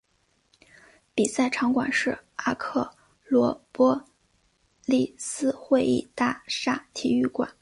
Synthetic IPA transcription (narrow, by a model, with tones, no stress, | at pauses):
pi˨˩sa˥˩ɪʈ͡ʂʰɑ˧˥ŋkwa̰˨˩nʂɻ̩˥˩a˥kʰɤ˥˩ | lwɔ˧˥pwɔ˥ | li˥˩sɹ̩˥xwe˥˧ɪḭ˥˧t̪a˥˩ʂa˥˩t̪ʰi˨˩y˥˩kwa̰˨˩˦n